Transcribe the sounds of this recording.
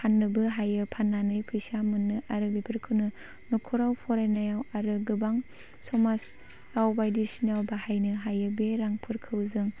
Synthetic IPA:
hanːɯbɯɦajɯpʰanːanɯjpʰɯjsamɯnːɯʔaɾɯbepʰɯɾkʰɯwnɯ | nukʰɔɾawpʰɔɾajnajawaɾɯɡɯbaŋ | sɔmas | ɾawbajdisinawbaɦajnɯɦajɯbeɾaŋpʰɯɾkʰɯwzɯŋ

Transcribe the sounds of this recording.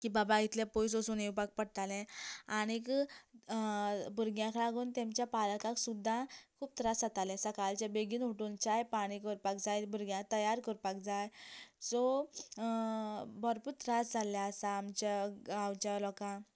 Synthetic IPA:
kiːbabãɡit̪lẽpɔjsosuːnewpak̚pəɽt̪alɛ̃aɽ̃ik | buɾɡjãkʰlaɡuːnt̪emt͡ɕjapalkaksud̪ʱːãkʰuːp̚t̪ɾasət̪alɛ̃səkalt͡ɕabeɡiːnɦuʈunt͡ɕajpaɽ̃ikəɾpak̚d͡zajbuɾɡjãk̚t̪əjaɾkəɾpak̚d͡zajsɔ | bəɾpuɾt̪ɾasd͡zʱalːjaəsaːmt͡ɕaawt͡ɕalɔkã

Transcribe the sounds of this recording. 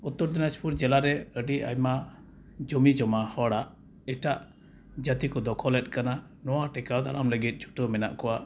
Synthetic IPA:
ut̪ːɔɾd̪inaspuɾd͡ʒɛlaɾɛəɖia̰jma | d͡ʒɔmid͡ʒɔmahɔɽaʔ | iʈaʔ | d͡ʒət̪ikɔd̪ɔkʰɔlɛt̪̚ˀkana | nɔwaʈɛkad̪aɾamləɡit̪̚d͡ʒu̥ʈɔmɛna̰ʔkɔwa

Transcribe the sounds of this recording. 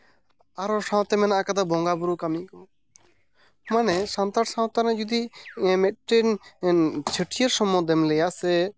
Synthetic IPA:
aɾɔsãw̃t̪ɛmɛnaakad̪abɔŋɡabuɾukamnĩkɔ | manɛsant̪aʈsãw̃t̪anɛd͡ʒud̪imɛʈen | t͡ʃʰəʈʰijəɾsɔmɔ̃d̪ɛmlɛjasɛ

